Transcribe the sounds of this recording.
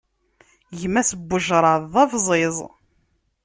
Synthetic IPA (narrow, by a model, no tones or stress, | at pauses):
jmæsəbːʊʒɾˤɑðˤɑvzˤezˤ